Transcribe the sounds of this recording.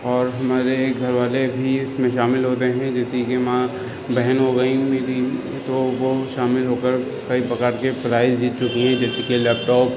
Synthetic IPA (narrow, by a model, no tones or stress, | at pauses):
ɔːɾɦɐmaːɾeɡʱɐɾʋaːlebʱiɪsmẽʃaːmɪlɦoːt̪eɦɛ̃d͡ʒɛːsikemã | bɛɦənɦoɡɐĩmeːɾi | t̪oʋoʃaːmɪlɦoːkəɾ | kɐipɐkaːɾkepɾaːɪzd͡ʒiːt̪̚t͡ʃʊkiɦɛ̃d͡ʒɛːsekelɛːp̚ʈɔːp